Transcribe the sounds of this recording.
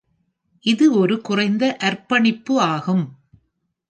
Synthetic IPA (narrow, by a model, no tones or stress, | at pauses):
ʔɪðɯɔɾɯkʊrɐɪnd̪ɐʔɐɾpɐɳɪpːɯaːɣɯm